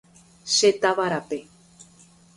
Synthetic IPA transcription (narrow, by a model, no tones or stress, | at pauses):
ʃet̪aβaɾape